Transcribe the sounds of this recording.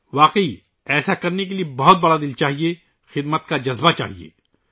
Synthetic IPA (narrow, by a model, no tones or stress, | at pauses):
ʋaːqəi | ɛːsakɐɾnek̬eliebɐɦʊt̪̚bɐɽad̪ɪlt͡ʃaːɦie | xɪd̪mət̪̚kad͡ʒɐzbat͡ʃa̰ːɦiḛː